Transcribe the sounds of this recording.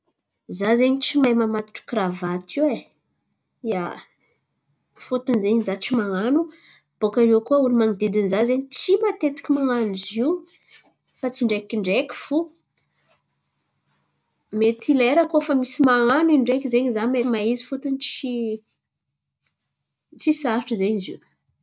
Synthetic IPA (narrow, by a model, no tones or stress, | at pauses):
zazeɲit͡ʃimajmamat̪u̥ʈ͡ʂu̥kravat̪iwe | ja | fut̪unzeɲizat͡ʃimaŋanu | b̥okaewkuaunimaŋid̪ed̪inzazeɲit͡ʃimat̪et̪i̥kʲimaŋanuziw | fat͡siɳɖ͡ʐekʲiɳɖ͡ʐekʲi̥fu | met̪ʰileɾakofamisimaŋaniɳɖ͡ʐekizeɲizamemaizi̥fut̪unit͡ʃi | t͡sisaɾʈ͡ʂəzeɲizi